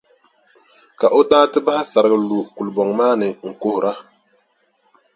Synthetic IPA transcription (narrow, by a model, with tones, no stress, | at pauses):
ka˨ʔo˦daː˦tɨ˦ba˦ha˦sa˨ɾɨ˨ɡɨ˨lu˨ku˨lbɔ˨ŋmaː˦nɨ˨ŋ̩˨kʊ˦hʊ˨ɾa˦